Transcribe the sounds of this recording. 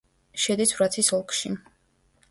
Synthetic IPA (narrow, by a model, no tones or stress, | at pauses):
ʃɛd̪isvɾat̪sʰisɔlˠkʰʃḭ